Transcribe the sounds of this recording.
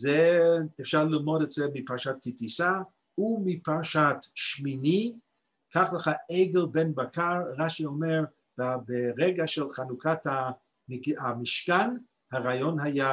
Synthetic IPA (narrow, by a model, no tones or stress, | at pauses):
zɛːfʃaʁlilmodɛtz̥ɛmipaʁʃat̚kitisa | umipaʁʃatʃmini | kʰaχləχaeɡelbenbakaʁʁaʃiomeʁ | beʁɛɡaʃɛlχanukʰatha | mamiʃkan | haʁajonɦaja